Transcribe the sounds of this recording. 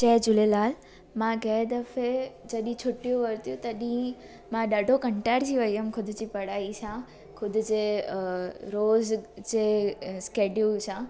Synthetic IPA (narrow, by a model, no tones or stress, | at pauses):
t͡ɕɛːd͡ʑʊlelaːl | mãɡɛːd̪ɐfed͡ʑɐɗĩt͡ɕʰʊʈijoʋɐɾt̪ijõt̪ɐɗĩ | mãɗaːɖʱokɐ̃ɳʈaːɾd͡ʑiʋɐiəmkʰʊd̪ʱʊd͡ʑipɐɽaːit͡ɕʰã | kʰʊd̪ʱʊd͡ʑe | ɾoːzd͡ʑeskeːɖijut͡ɕʰã